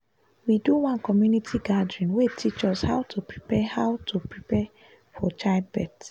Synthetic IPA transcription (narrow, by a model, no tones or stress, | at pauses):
widuwãnkɔmjunitʰiɡadɹĩnwetʰit͡ʃɔshaʊtʰupɹipɛhaʊtʰupɹipɛ | fɔt͡ʃaɪbɛt